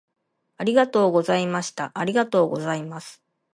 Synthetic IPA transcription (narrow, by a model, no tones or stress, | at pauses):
aɾʲiɡat̪o̞ːɡo̞zaimaɕi̥t̪aʔaɾʲiɡat̪o̞ːɡo̞̰zaimasɨ̥